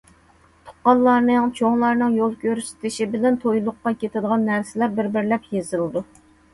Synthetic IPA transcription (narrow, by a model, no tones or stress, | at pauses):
t̪ʰo̥qːɑlˠːɑɾnɨŋt͡ʃʰoŋlˠɑɾnɨŋjolˠkʲʰøɾyst̪ʰɪʃibɪlɛnt̪ʰojlˠʊqːɑkʲet̪ʰɪd̪əʁɑnːæɾsɪlæɾbɪɾbɪɾlɛpjezɨlɨd̪u